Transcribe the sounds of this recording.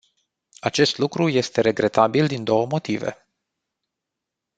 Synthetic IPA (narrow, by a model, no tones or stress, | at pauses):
at͡ʃe̞st̪lukɾuje̞st̪e̞ɾe̞ɡɾe̞t̪abild̪ind̪o̞wəmo̞t̪ive̞̰